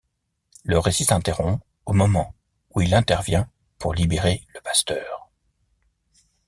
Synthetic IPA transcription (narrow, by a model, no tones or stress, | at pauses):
ləʁesisɛ̃t̪eʁɔ̃p | omɔmɑ̃ | uilɛ̃t̪ɛʁvjɛ̃ | pʰuʁlibeʁeləpast̪œːʁ